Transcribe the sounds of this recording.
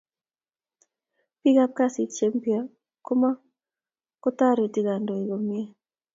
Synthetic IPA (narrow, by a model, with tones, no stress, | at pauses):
pi˦ɡa˦p̚ka˦si˨t͡ʃe˦mpi˦a˦ | ko˦ma˦ | ko˦ta˦ɾo˨ti˦ɡa˨ndo˨i˨ɡo˨mi˦e˦